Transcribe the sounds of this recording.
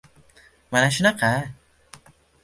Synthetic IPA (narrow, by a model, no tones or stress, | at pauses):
manaʃunaka